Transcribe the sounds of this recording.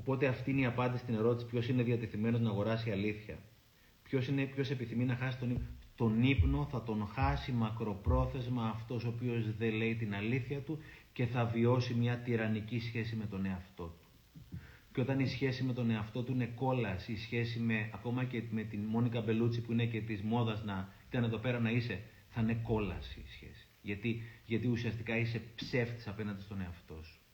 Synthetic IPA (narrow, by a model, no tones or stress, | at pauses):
o̞po̞t̪e̞ɐft̪iineiɐpɐnd̪isi̥t̪ine̞ɾo̞t̪isi̥pço̞sineðiɐt̪e̞θime̞noznɐːɣo̞ɾɐsiɐliθçɐ̰ | pço̞sinepço̞se̞piθiminɐxɐsist̪o̞nipt̪o̞nipno̞θɐt̪o̞ŋxɐsimɐkɾo̞pɾo̞θe̞zmɐːft̪o̞soːpio̞zðe̞le̞it̪inɐliθçɐt̪uce̞θɐvio̞simɲɐt̪iɾɐnicisçe̞sime̞t̪one̞ɐft̪o̞t̪u̥ | co̞t̪ɐnisçe̞sime̞t̪o̞ne̞ɐft̪o̞t̪uine̞ko̞lɐsiːsçe̞sime̞ɐko̞mɐceme̞t̪inmo̞nikɐbe̞lut͡sipuine̞ce̞t̪izmo̞ðɐznɐit̪ɐneðo̞pe̞ɾɐnɐise̞ | θɐne̞ko̞lɐ̰sḭsçe̞̰si̥ʝɐt̪iʝɐt̪iusiɐst̪ikɐise̞pse̞ft̪i̥sɐpe̞nɐnd̪ist̪o̞ne̞ɐft̪o̞su̥